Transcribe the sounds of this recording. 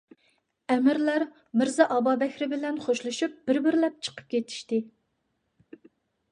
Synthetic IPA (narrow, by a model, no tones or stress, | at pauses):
ɛmɪɾlæɾ | mɪɾzɛʔɑbɑbɛkʲɾɪbɪlɛnχoʃlˠuʃup̚b̥ɪɾbɪɾlɛp̚t͡ʃʰə̥qʰə̥p̚kʲʰet̪ʰi̥ʃt̪ɪ